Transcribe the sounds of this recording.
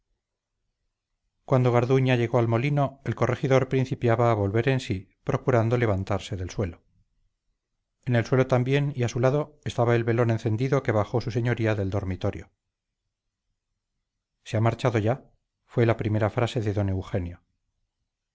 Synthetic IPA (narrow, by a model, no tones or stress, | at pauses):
kwand̪o̞ɣ̞aɾðuɲaʝe̞ɣo̞almo̞lino̞e̞lko̞re̞xiðo̞ɾpɾin̟θipjaβaːβo̞lβe̞ɾe̞nsi | pɾo̞kuɾand̪o̞le̞βant̪aɾse̞ðe̞lswe̞lo̞ | ene̞lswe̞lo̞t̪ambje̞niasulaðo̞est̪aβaelβe̞lo̞nẽ̞nθe̞nd̪iðo̞ke̞βaxo̞suse̞ɲo̞ɾiaðe̞ld̪o̞ɾmit̪o̞ɾjo̞ | seamaɾt͡ʃaðo̞ʝa | fwe̞lapɾime̞ɾafɾase̞ðe̞ðo̞ne̞wxe̞njo